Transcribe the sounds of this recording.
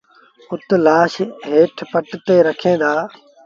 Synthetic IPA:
ʊt̪laːʃɦeːʈʰpəʈt̪eːɾəkʰẽːd̪aː

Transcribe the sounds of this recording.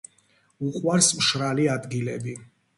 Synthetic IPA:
uqʼwaɾsmʃɾaliad̪ɡilɛbi

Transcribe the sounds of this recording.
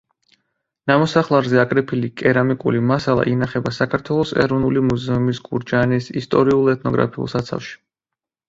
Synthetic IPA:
namɔsaχlˠaɾzɛakʼɾɛpʰilikʼɛɾamikʼṵlimasalˠa̰ʔinaχɛbasakʰaɾt̪ʰwɛlˠɔsɛ̰ɾɔvnulimuzɛumisɡuɾd͡ʒanisist̪ʼɔɾiulˠɛt̪̚ʰnɔɡɾa̰pʰiṵlˠsat̪sʰa̰fʃi̥

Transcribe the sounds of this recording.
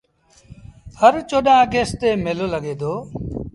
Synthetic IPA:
həɾt͡ʃoːɗãːɡeːst̪eːmeloːləɡeːd̪oː

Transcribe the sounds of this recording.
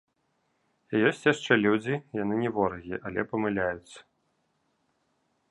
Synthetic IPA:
ijɔsʲt͡sʲjaʂt͡ʂɛlʲud͡zʲijanɨnʲɛvɔɾɐɣʲiʔalʲɛpɐmɨlʲajut̪sːɐ̥

